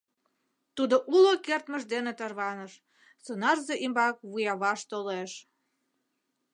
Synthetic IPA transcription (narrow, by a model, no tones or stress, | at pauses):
t̪ud̪oʔulokert̪məʒd̪enet̪ərβɑnəʃ | sonɑrzeʔimbɑk̚βujɑβɑʃt̪oleʃ